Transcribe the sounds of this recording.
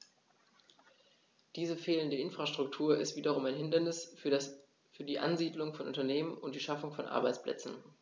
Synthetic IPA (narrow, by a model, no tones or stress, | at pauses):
d̥iːzəfeːləndəʔɪnfʁ̥aʃtʁ̥ʊk̚tʰuːɐɪstv̥iːdɐʁ̞ʊmaɪnɦɪndɐnɪs | fyːɐdiːʔa̰nziːdlʊŋfɔnʔʊntɐneːmənʊntd̥iːʃafʊŋfɔnʔa̰ɐbaɪt͡splʔɛ̰t͡sn̩